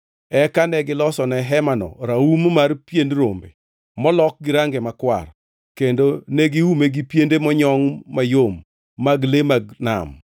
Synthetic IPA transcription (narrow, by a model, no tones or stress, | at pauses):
ɛkanɛɡɪlɔsɔnɛɦɛmanɔ̰ɾaummarpjendrombḛ | mɔlɔk̚ɡɪɾaŋɡemakwa̰r | kendoneɡiumeɡipjendemɔɲɔŋmajomː | aɡlemaɡna̰m